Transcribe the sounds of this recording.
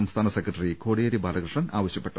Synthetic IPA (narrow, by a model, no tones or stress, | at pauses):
ɐmst̪ʰaːnɐsekɾɐʈɐɾikʰo̞ːɽejɐɾibʱaːlɐɡɾɨʂɳɐnaːʋɐɕjɐpːe̞ʈːɐ